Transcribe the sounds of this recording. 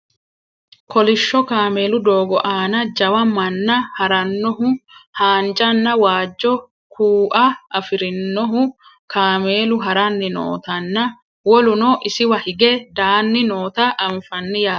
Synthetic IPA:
kʰɔlɪʃːɔkaːme̞ːlʊd̪oːɡɔʔaːnɐd͡ʒɐwɐmɐnːɐhɐɾɐnːɔɦʊhaːnd͡ʒʼɐnːɐwaːd͡ʒːɔ | kʰuːʔɐʔɐfɪɾɪnːɔɦʊ | kʰaːme̞ːlʊɦɐɾɐnːɪno̰ːt̪ɐnːɐ | wɔlʊnoːʔɪsɪwɐhɪɡɛd̪aːnːɪnoːt̪ɐʔɐɱfɐnːɪjaː

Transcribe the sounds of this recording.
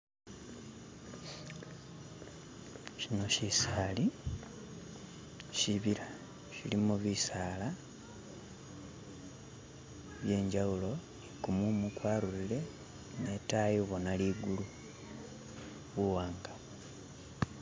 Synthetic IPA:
ʃino̞ʃisaːli | ʃiβiɾa | ʃḭlimuβisaːla | βje̞ːɲɟawulo̞ | ikumumukwaːlulile̞ | netajoβonaliɡulu | βuwaːŋɡa

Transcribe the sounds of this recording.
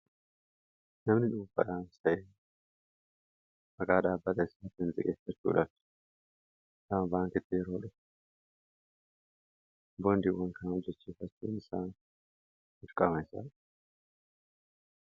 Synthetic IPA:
nɐmnɪᶑʊːfɐ̰ᶑaːnsɐʔe | ʔɐɡaːᶑaːbːɐt̪ʼɐɪsaːt̪ɪɪnzɪ̰kʼḛːfɐt͡ʃːṵːᶑɐbt̪ | sɐmbaːŋkɪt̪ːɪjɛɾoːᶑɐf | boːnd̪iwɐŋkʰɐnʊd͡ʒɛt͡ʃːiːfɐt͡ʃːuːnɪsaːn | ʊɾkʼːɐmɐɪsa̰ːᶑ

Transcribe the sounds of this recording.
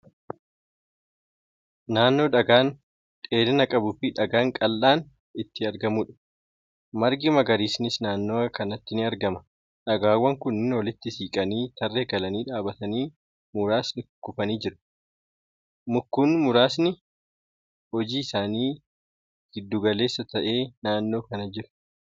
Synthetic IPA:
naːnːo̞ːᶑɐɡaːn | t̪ʼe̞ːdɪnɐkʼɐbʊfɪᶑɐɡaːŋkʼɐlːaːn | ɪt̪ːɪɐɾɡɐmuːᶑɐ̥ | mɐɾɡɪmɐɡɐɾiːsnɪsnaːnːoːkɐnɐt̪ːɪnɪɐɾɡɐmɐ̥ | ᶑɐɡaːwːɐŋkʊnːɪnɔlɪt̪ːɪsiːkʼɐniːt̪ɐrːeːɡɐlɐniːᶑaːbɐt̪ɐniː | mʊɾaːsnɪʊkːʊfɐniːd͡ʒɪɾʊ̥ | mʊkːuːnmʊɾaːsnɪ | hɔd͡ʒiːɪsaːniː | ɡ̥ɪd̪ːuːɡɐle̞ːsːɐt̪ɐʔe̞ːnaːnːo̞ːkɐnɐd͡ʒɪɾʊ̥

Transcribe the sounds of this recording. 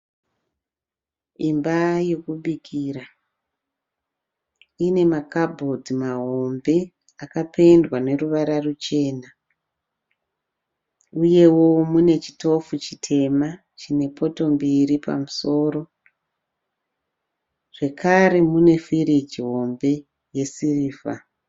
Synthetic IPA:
imbaje̞kuɓikʰiɾa | ine̞makabʱo̞dimaɦo̞mbe̞ | akape̞ndwane̞ruʋaɾarut͡ʃe̞ːna | uje̞wo̞mune̞t͡ʃi̥to̞fut͡ʃitʰe̞ma | t͡ʃine̞pʰo̞to̞mbiɾipa̰muso̞ːɾo̞ | ʐ̥e̞kʰaɾe̞mune̞fiɾid͡ʒiɦo̞mbe̞ | je̞siriːfa̰

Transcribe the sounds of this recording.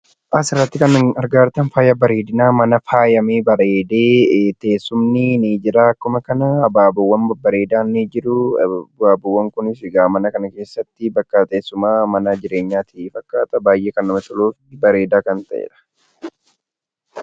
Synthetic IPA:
ʔɐsɪrːɐt̪ːɪkɐnɐɐɾɡaːɾt̪ɐnfaːjɐbɐɾe̞ːd̪ɪnaːmɐnɐfaːjɐmeːbɐɾe̞ːd̪eːt̪e̞ːsːʊmnɪniːd͡ʒɪɾaːɐkːʊmɐkɐnɐːbaːbɐwːɐnbbɐɾe̞ːd̪aːnːiːd͡ʒɪɾʊbaːbʊwːɐŋkʊnɪsɪɡaːmɐnɐkɐnɐke̞ːsːɐt̪ːɪbɐkːɐt̪eːsːʊmaːmɐnɐd͡ʒɪɾe̞ːɲːaːt̪ʰiːfɐkːaːt̪ʼɐbaːjʔeːkɐnːɐmɐt̪ɔloːfɪbɐɾe̞ːd̪aːkɐnt̪ɐʔḛːᶑɐ̥

